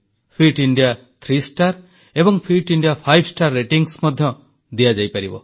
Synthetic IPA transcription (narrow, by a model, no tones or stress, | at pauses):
pʰɾiʈiɳɖija | t̪ʰɾisʈaɾ | ebɔŋpʰiʈiɳɖijapʰajbsʈaɾːeʈiŋsmɔd̪ʱjɔ | d̪iad͡ʒajpaɾibɔ̰